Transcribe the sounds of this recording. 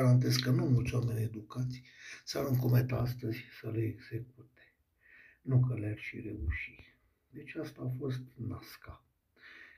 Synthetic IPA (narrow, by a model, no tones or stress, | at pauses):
ɾant̪̬ezkənumult̪sʲwame̞nʲe̞d̪ukat̪sʲsaɾɨŋkomet̪aast̪əzʲsəleeɡz̥ek̚ut̪e̥ | nukəlearʲʃire̞uʃi | d̪e̞t͡ʃast̪aːfo̞st̪naska